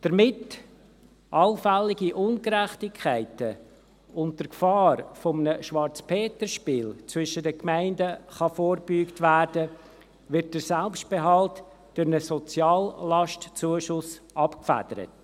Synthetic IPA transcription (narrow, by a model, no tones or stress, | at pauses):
d̥əɾmɪt | ʔɑlfælːɪɡiʔʊnkɾæχtɪkʰːæɪtə | ʊnt̚dəɾkfɑːɾrfɔmənəʃʋɑɾt͡spʰeːtəɾʃpiːlt͡sʋʏʃədəkmæɪndəχɑfoːɾb̥yːktvæːɾd̥ə | ʋɪɾt̚dəɾsælpʃtb̥eɦɑlt | d̥ʊɾnəsɔt͡sjɑːlːɑʃtt͡suəʃʊsɑpkfæ̰d̥əɾə̰t